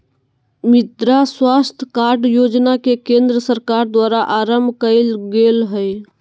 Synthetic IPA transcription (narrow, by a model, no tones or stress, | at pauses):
mɪd̪ɾaswaːst̪ʰkaːɾɖjoːd͡ʒnakekẽːnd̪ɾəsəɾkaːɾd̪waːɾaʔaːɾəmbʱkəɪlɡeːlɦəj